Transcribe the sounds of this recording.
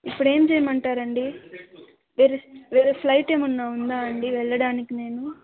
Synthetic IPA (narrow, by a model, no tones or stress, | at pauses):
ipːuɽe̞ːmd͡ʒɛjɐmɐɳʈaːɾɐɳɖi | ʋiːɾeʋiːɾeplɐjʈe̞ːmunːaːund̪aːɐɳɖiʋɛɭːɐɽaːnikine̞ːnu